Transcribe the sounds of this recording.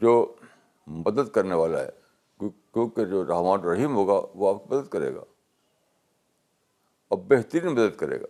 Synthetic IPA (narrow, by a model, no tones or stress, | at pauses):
d͡ʒoː | mɐd̪əd̪kɐɾneʋaːla̰ɦɛ̰ | kjõːked͡ʒoːɾaːɦmaːnɾɐɦiːmɦoːɡa̰ʋoaːp̚kimɐd̪əd̪kɐɾḛːɡa̰ː | ɐbːeɦt̪əɾiːnmɐd̪əd̪kɐɾḛːɡa̰ː